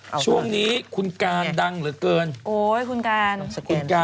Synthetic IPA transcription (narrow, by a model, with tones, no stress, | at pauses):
t͡ɕʰu˥˩əŋniː˦˥kʰu˧nkaː˧nda˧ŋɾɯː˩˦kɤː˧nʔoː˨˩jkʰu˧nkaː˧nkʰu˧nkaː˧